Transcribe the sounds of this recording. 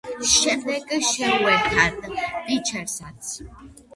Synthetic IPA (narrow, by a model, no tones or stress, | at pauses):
ʃɛmd̪ɛɡʃɛuɛɾt̪ʰad̪it͡ʃʰɛɾsat̪sʰ